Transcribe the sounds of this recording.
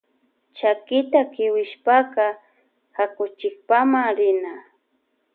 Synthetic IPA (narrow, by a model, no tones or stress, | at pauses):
t͡ʃakɪt̪akɪwɪʃpakɑ | hakʊt͡ʃɪk̚pamaŋɾɪna